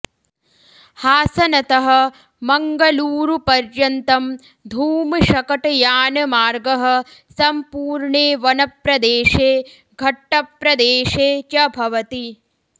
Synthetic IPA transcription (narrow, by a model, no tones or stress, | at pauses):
haːsɐnɐt̪ɐɦɐ̆ | mɐŋɡɐluːɾupɐɾjɐnt̪ɐm | d̪ʱuːmɨʃɐkɐʈɐjaːnɐmaːɾɡɐɦɐ̆ | sɐmpuːɾɳeːʋɐnɐpɾɐd̪eːʃeː | ɡʱɐʈːɐpɾɐd̪eːʃeːt͡ʃɐbʱɐʋɐt̪i